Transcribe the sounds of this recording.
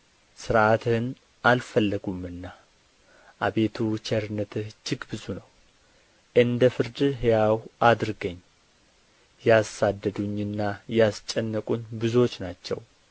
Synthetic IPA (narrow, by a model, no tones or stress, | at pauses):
sɨɾʔat̪ʰɨn | ʔalfəlːəɡumɨnːa | ʔabe̞t̪ʰut͡ʃʰɛɾɨnːət̪ʰɨht͡ʃɪɡbɨzunəw | ʔɨnd̪əfɨɾd̪ɦejawʔad̪ɾɡəɲː | jasad̪ːəd̪uɲːɨnːajast͡ʃʼːɛnːəkʼunbɨzuo̞t͡ʃːnat͡ʃːɛ̰w